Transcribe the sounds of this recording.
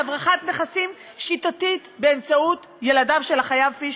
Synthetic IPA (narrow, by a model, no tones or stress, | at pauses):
bʁaχatneχasim | ʃitatitbeemt͡saut | jeladavʃelaχajavfiʃ